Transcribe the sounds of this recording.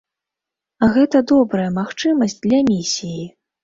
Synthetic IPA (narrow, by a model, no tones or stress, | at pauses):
ɣɛt̪ɐd̪ɔbɾɐjɐmaxt͡ʂɨmɐsʲd͡zʲd̪lʲɐmʲisʲiji